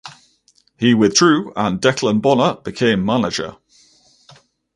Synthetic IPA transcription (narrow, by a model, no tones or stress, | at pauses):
hiwɪðdɹʉːə̃ndɛkʰlə̃nbɒnəʔb̥ɪkʰẽɪ̃mːanɪd͡ʒə̰